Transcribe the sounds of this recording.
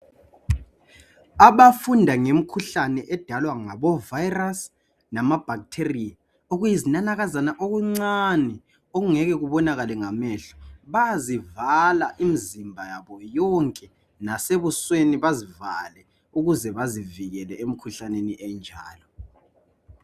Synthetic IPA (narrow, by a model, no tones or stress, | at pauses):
aβafundʱaŋem̩kʰuɬanɛʔɛd̥ʱalwaŋaβɔvajras | namab̥ʱaktʰerija | oɣujizinanaɣazanaʔoɣuŋ͡ǀanɛ | oɣuŋɛɣɛɣuβɔnaɣalɛŋamɛɬɔ̥βazivalaʔimizimbʱajaβɔjɔŋkʼɛ | naseβusweniβaziva̰lɛ | uɣuzɛβaziviɣɛlɛem̩kʰuɬaneniɛnd͡ʒʱa̰ːlɔ